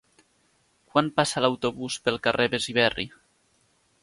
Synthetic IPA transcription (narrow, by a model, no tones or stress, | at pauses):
kwanpasalawt̪oβuspelˠkarʔeβeziβ̞ɛrḭ